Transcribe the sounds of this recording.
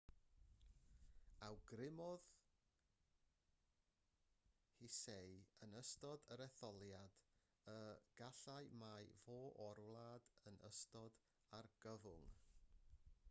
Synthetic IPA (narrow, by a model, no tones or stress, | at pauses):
awɡrɪmɔð | hisejənəstɔdəɾɛθɔlˠjad̥ | əɡ̥aɬaɨmajvoːʔɔrwlˠaːdənə̰stɔd | arɡ̥əvʊŋ